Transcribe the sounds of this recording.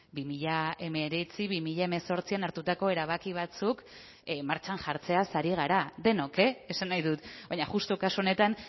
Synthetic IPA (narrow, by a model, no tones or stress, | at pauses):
bimiʎae̞me̞ɾet͡siβimiʎae̞me̞so̞ɾt͡sianaɾt̪ut̪ako̞e̞ɾaβ̞akiβ̞at͡suk | maɾt͡ʃanʝaɾt͡se̞asaɾiɣaɾaðe̞no̞ke̞esanːajðut̪bajɲaɣust̪okasuo̞ne̞t̪an